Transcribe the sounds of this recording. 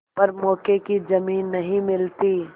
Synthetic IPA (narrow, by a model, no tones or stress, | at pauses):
pɐɾmɔːkekid͡ʒɐmiːnːɐɦĩmɪlt̪i